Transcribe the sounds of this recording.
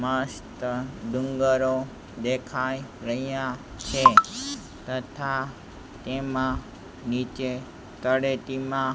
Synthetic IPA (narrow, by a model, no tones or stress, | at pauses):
məst̪əd̪uŋɡəɾo | d̪ekʰajɾəɦijãt͡ʃʰe | t̪ət̪ʰa | t̪emã | nit͡ʃe | t̪əɽet̪imã